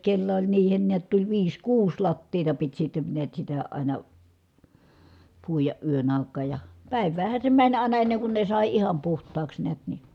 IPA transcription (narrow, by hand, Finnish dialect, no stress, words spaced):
kelːæ olʲ niːhen niæt tulʲ ʋiːs kuːs lɑtːiːtɑ pit sitːe niæt sitæ ɑˑinɑ puijɑʔ ʔyøn ɑˑi̯kˑɑːj jɑ pæˑiʋˑæːhæn̞ se mænʲ ɑˑinɑ enːeŋ kun ne sɑˑi ihɑm puhtˑɑːks neæt ni